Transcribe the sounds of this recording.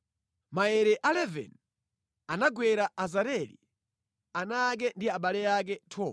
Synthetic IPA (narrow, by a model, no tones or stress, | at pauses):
maɛɾɛʔalɛvɛ̰n | anaɡwɛɾaazaɾɛlḭ | anak̬ɛndiaɓalɛjak̬ɛtʰɔ